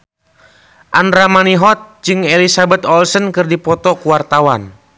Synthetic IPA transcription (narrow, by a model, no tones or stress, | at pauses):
ʔandɾamaniɦɔt̪̚d͡ʒɨŋɛlisabɛt̪ɔlsənkɨrdipɔt̪ɔkuwart̪awan